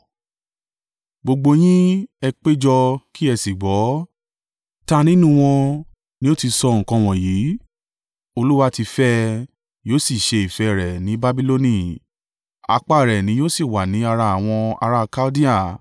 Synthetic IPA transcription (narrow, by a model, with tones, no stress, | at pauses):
ɡ͡bo˧ɡ͡bo˧j̃ĩ˦ɛ˧k͡pe˦d͡ʒɔ˧ki˦ɛ˧si˨ɡ͡bɔ˨˦ | ta˦nĩ˦nũ˦w̃ɔ̃˧ | nĩ˦o˦ti˧sɔ˧ŋ̩˨kɔ̃˧w̃ɔ̃˨jiː˨˦ | o˧lu˦wa˧ti˧fɛ˦ | joː˦si˦˨ʃe˧i˨fɛ˧˨ɾɛ˨nĩ˨˦ba˦bi˧˦lo˧nĩ˦˨ | a̰˧k͡pa˦˨ɾɛ˨nĩ˨˦jo˦si˦˨wa˨nĩ˨˦a˧ɾa˧a˨w̃ɔ̃˧a̰˧ɾa˧˦˧ka˦di˦a˦˨